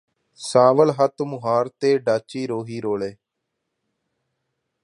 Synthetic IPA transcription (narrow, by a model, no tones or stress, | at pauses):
saːʋəlɦət̪mʊɦaːɾt̪eːɖaːt͡ʃiːɾoːɦiːɾoːɭeː